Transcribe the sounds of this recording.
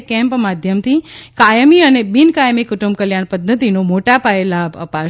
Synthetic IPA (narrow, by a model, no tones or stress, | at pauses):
kɛ̃mpmad̪ʱjəmt̪ʰikajəmiənebinkajəmikuʈumbkəljaɳpəd̪ʱːət̪inomoʈapaelaəpa